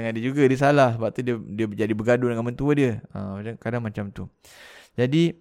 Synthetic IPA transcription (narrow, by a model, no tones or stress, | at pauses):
aŋadəd͡ʒuɡadiəs̬alahsəbap̚t̪udiədiəd͡ʒadibəɡadudəŋanmənt̪uədiəəmat͡ʃaŋkadaŋmat͡ʃamt̪u | d͡ʒadi